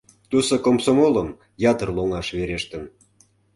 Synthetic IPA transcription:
t̪usokomsomoləm | jɑt̪ərloŋɑʃβeɾeʃt̪ən

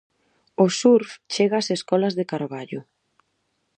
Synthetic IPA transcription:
osuɾft͡ʃeɣaːseskɔlɐzðekaɾβaʎʊ

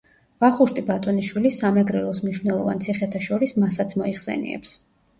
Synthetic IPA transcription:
vaχuʃt̪ʼibat̪ʼɔniʃwilisamɛɡɾɛlˠɔsmniʃwnɛlˠɔvant̪sʰiχɛt̪ʰaʃɔɾismasat̪sʰmɔiχsɛ̰nḭɛ̰ps

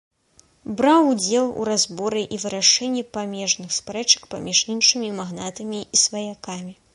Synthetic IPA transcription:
bɾawud͡zʲɛlˠṵɾazbɔɾɨʔivɨɾaʂɛnʲːɛpamʲɛʐnɨxspɾɛt͡ʂɐ̥kpamʲiʂinʂɨmʲimaɣnat̪ɐmʲiisvɐjakamʲi

